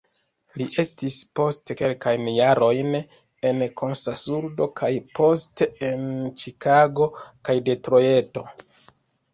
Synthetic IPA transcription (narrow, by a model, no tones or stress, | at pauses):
liʔe̞stispo̞stke̞lkajnjaɾo̞jn | e̞nkʰo̞nsasuɾdo̞kʰajpʰo̞steent͡ʃikaɡo̞kajde̞tɾo̞je̞to̞